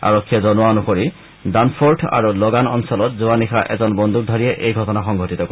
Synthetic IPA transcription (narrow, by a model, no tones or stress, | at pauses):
a̰ɹɔkʰːijɔzɔnɔanuxoɹi | danpʰɔɹʈʰa̰ɹuloɡanɔnsɔlɔt̚zuanixaʔɛ̰zɔnbɔnd̪ʱuk̚d̪ʱaɹijɛʔejɡʱɔtɔnaxɔŋɡʱotit̪ɔk